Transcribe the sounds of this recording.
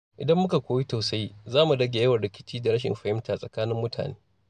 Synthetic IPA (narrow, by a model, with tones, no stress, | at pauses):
ʔɪ̰˨dɐ˦mːʊ˦ka˨kʷoː˦wi˦ta˨sa˦jzaː˦mu˨dɐ˦ɡʲe˨jɐ˦wɐ˨rɽɪ˦kʲɪ̥˦t͡ʃiː˦da˨ɽɐ˦ʃ̬ɪ̰˨mɸɐ˨hɪ˦mta˨sʼɐ˨kaː˦nɪ˦mːʊ˦tʰa̰ː˨neː˦